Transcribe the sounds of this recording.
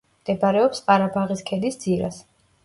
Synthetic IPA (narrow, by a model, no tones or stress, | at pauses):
md̪̥ɛbaɾɛɔpsqʼaɾabaʁiskʰʼɛd̪isd̪ziɾa̰s